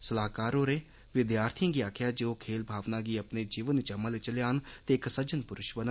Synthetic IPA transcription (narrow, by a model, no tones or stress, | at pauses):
səlaːkaːɾoːɾeː | ʋɪd̪jaːɾt̪ʰijãːɡiːaːkʰjaːd͡ʒeːoːkʰeːlbʱaːʋnãːɡiːəpneːd͡ʒiːʋənt͡ʃəmːəlet͡ʃəljaːnt̪eːksəd͡ʒənpʊɾʊʃbən